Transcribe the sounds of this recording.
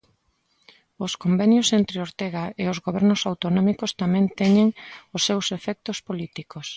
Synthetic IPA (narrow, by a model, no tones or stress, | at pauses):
ʊskombenjosent̪ɾeoɾt̪eɣaeozɣoβɛɾnosawt̪onɔmikost̪amɛ̃nt̪ɛɲeŋʊsːewsefɛk̚t̪ospolit̪ikos